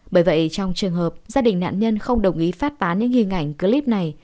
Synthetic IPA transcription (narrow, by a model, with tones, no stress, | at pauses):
ɓəː˧˩jvə̰˧˨jt͡ɕɔ˧wŋ͡mt͡ɕɨ˨˩əŋɦəː˨˩p̚zaː˧ɗï˨˩ŋ̟na̰ː˧˨nɲə˧nxə˧wŋ͡mɗə˨˩wŋ͡mʔi˨˦faː˦˥t̚t̪aː˨˦ɲɨ̰˧˥ŋhi˨˩əŋʔa˧˩jŋ̟kɨ˧li˦˥p̚na˨˩j